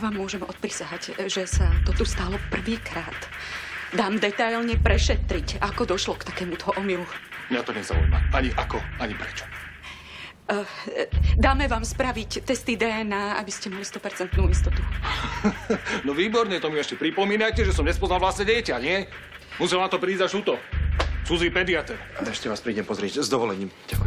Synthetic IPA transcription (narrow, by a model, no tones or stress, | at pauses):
ʋaːmːʊɔʒɛmɔt̪̚pɾisaɦacʒɛsat̪ɔt̪ust̪aːlɔpr̩ʋiːkɾaːd̪ | d̪aːmd̪ɛt̪ajlɲɛpɾɛʃɛt̪ɾicakɔd̪ɔʃlɔkt̪akɛːmut̪ɔɦɔʔɔmilumɲat̪ɔɲɛza̰ṵjma̰ʔaɲiʔakɔaɲipɾɛt͡ʃɔ̥ | d̪aːmɛʋaːmspɾaʋict̪ɛst̪id̪ɛːɛnaːa̰biscɛmalist̪ɔpɛɾt͡sɛnt̪nuːist̪ɔt̪u̥ | nɔʋiːbɔɾɲɛt̪ɔmiɛʃcɛpɾipɔmiːnajcɛʒɛsɔmɲɛspɔzlalʋlast̪nɛɟɛjcaɲɪɛ | musɛlnat̪ɔpɾiːzaʃut̪ɔt͡sud͡ziːpɛd̪iat̪ɛɾalɛɛʃcɛʋaːspɾiːɟɛmpɔzɾɪɛɟzd̪ɔʋɔlɛɲiːmɟak